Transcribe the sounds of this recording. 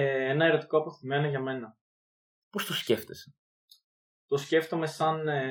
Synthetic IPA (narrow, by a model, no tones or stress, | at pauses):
enɐe̞ɾo̞t̪i̥ko̞ɐpoθime̞noʝɐme̞nɐ | po̞st̪osce̞ft̪ese̥ | t̪o̞sce̞ft̪o̞me̞sɐn